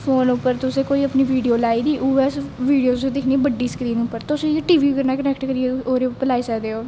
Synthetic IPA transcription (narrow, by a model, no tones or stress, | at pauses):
pʰoːnʊpːəɾt̪ʊsẽːkoːiːəpniːʋiːɖijoːlaːiːd̪iːʔuːɛːsʋiːɖijoːt̪ʊsẽːd̪ɪkʰniːbəɖːiːskɾiːnʊpːəɾt̪ʊsẽːeʈiːʋiːkəɾnaːkənɛːkʈkəɾiːeoːɾeʊpːəlaːiːsəkd̪eːoː